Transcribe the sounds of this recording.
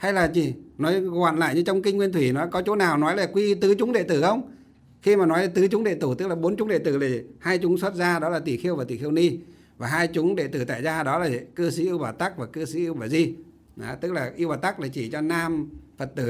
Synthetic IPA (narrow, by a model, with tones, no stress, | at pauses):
ha˧jlaː˨˩t͡ɕi˨˩nɔ˨˦jɣwa̰ː˧˨nla̰ː˧˨jɲɨ˧t͡ɕɔ˧wŋ͡mki˧ŋ̟ŋwi˧ənt̪ʰwi˧˩nɔ˨˦jkɔ˨˦t͡ɕo˨˦naː˨˩wnɔ˨˦jlaː˨˩kwi˧t̪ɨ˨˦t͡ɕʊ˨˦ŋ͡mɗḛ˧˨t̪ɨ˧˩xə˧wŋ͡m | xi˧maː˨˩nɔ˨˦ja˨˧˩t̪ɨ˨˦t͡ɕʊ˨˦ŋ͡mɗḛ˧˨t̪ɨ˧˩t̪ɨ˦˥k̚laː˨˩ɓo˨˦nt͡ɕʊ˨˦ŋ͡mɗḛ˧˨t̪ɨ˧˩la˨˩˨haː˧jt͡ɕʊ˨˦ŋ͡mswə˦˥t̚zaː˧ɗɔ˨˦laː˨˩t̪i˧˩xi˧əwvaː˨˩t̪i˧˩xi˧əwni˧ | vaː˨˩ɦaː˧jt͡ɕʊ˨˦ŋ͡mɗḛ˧˨t̪ɨ˧˩t̪a̰ː˧˨jzaː˧ɗɔ˨˦laː˨˩˨kɨ˧si˨˦ʔi˧əwɓaː˨˩t̪a˦˥k̚vaː˨˩kɨ˧si˨˦ʔi˧əwɓaː˨˩zi˧ | a˨˦t̪ɨ˦˥k̚laː˨˩ʔi˧əwɓaː˨˩t̪a˦˥k̚laː˨˩t͡ɕi˧˩t͡ɕɔ˧naː˧mfə˨˩t̚t̪ɨ˨˧˩